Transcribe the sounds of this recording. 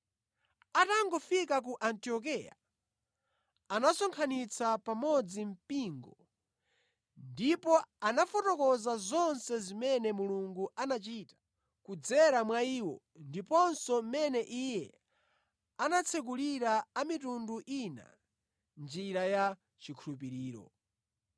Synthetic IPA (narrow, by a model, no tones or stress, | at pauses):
ataŋɡɔfik̬ak̬uʔantiɔk̬ija̰ | anasɔŋkʰanit͡sʰapamɔd͡zim̩piŋɡɔ | ndipɔanafɔtɔkɔzazɔnsɛzimɛnɛmuluŋɡuʔanat͡ʃitḁ | kud͡zɛɾamwaiːwɔ | ndipɔnsɔm̩mɛnɛʔijɛ | anat͡sʰɛk̬uliɾaːmitunduʔina̰ | nd͡ʒiɾaja | t͡ʃikʰulup̬iɾiːɾɔ̰